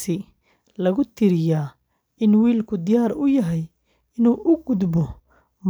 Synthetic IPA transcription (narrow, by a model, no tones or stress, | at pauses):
ɪ | lɐɣʊt̪ʰɪɾɪjaː | ɪnwiːlkʰʊd̪ɪjaːɾʊjɐɦɛj | ɪnuːʔʊɡʊd̪bɔ | m